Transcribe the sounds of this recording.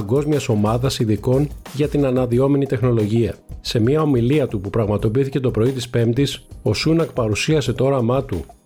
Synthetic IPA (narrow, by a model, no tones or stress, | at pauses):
ɡo̞zmiɐso̞mɐðɐsiðiko̞n | ʝɐt̪inɐnɐðio̞me̞nit̪e̞xno̞lo̞ʝiɐ̰se̞miɐo̞miliɐt̪upupɾɐɣmɐt̪o̞piθice̞t̪o̞pɾo̞it̪ispe̞mt̪iso̞sunɐk̚pɐɾusiɐse̞t̪oo̞ɾɐmɐt̪ṵ